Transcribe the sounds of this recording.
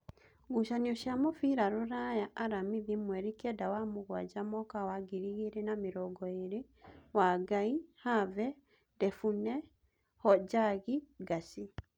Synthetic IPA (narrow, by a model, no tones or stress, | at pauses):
ɡuʃaniɔʃjamofiɾaɾoɾajaʔaɾamiðimwɛɾikɛdawamoɣwaɟamɔkawaɡiɾiɣiɾenamiɾɔɡɔeɾe | waɡaihavɛ | dɛfunɛ | hɔɟaɣiɡasi